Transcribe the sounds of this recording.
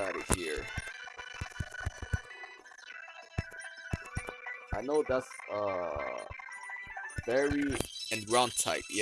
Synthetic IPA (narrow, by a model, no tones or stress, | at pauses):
aɾɨhiɹ | ʔaɪnoʊðætsʌ | vɛɹiɨ̃nɡɹãʊ̃ntʰa̰ɪp̚j